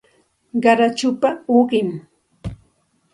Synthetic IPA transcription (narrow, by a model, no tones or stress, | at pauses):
ɢɑɾat͡ʃʊpaoɢɪm